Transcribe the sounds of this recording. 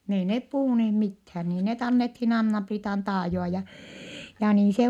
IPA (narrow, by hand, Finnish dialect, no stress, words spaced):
n ei nep puhuˑneːh mithæː niː net ɑnːethin ɑnːɑpriːtɑn tɑːjoɑ jɑ jɑ niːn se